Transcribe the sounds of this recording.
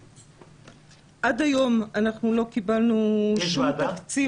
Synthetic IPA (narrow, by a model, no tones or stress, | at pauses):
ʔadajo̞manaχnulo̞kibalnuʃummt̪akt͡si